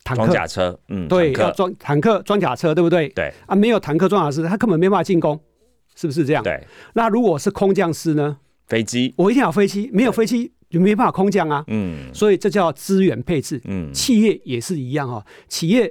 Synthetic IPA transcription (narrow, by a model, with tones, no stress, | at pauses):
t̪ʰa˨˦ka̰˨˩t͡sʰə˦˨t̪we˥˩a˥˨ʈ͡ʂa˥ŋt̪ʰa˨˦ŋkʰɤ˥˧˨t͡swa˥ŋt͡ɕja˨˩t͡sʰɤ˥˦t̪we˥˧bu˧t̪we˥˨˩ɪḛ˨˩a˥˦me˧˥ɪjo˨˩t̪ʰa˧˥ŋkʰɤ˥˧wa˦t͡ɕʰja˨˩s̬ɨ˦t̪ʰa˥kə˥˦pə˨nm˧˥˧ba˥˩˨t͡ɕi˥˩nko˦ŋ | ʂ̩˥˩bu˩ʂɻ̩˥˧ɤ˥˧ja̰˥˨ḛ˥˩na˥˨ɻu˧˥kwɔ˨˩˨ʂɻ̩˥˩kʰʊ˦ŋt͡ɕjɑ˥˧ŋsɹ̩˥nə˨˦ | fe˦t͡ɕi˦wɔ˨˩˦i˥t̪ʰjjɑ˨˩fe˥ɪt͡ɕi˥me˧˥ɪjo˨˩fe˥t͡ɕi˦˥ | jo˨˩me˧˥jba˥˩˨kʰʊ˥ŋt͡ɕjɑ˥ŋa˨swɔ˧˥i˨˩t͡sɤ˥˧t͡ɕjɑ˥˧ʊt͡sɹ̩˦ɥɛ˧˥npʰe˥˧ɪt͡sɹ̩˥˩t͡ɕʰi˥˧jɛ˥˩jɛ˨˩ʂɻ̩˥˩i˧˦jɑ˥˨ŋhɔ˨t͡ɕʰi˨˩jɛ˥˨˩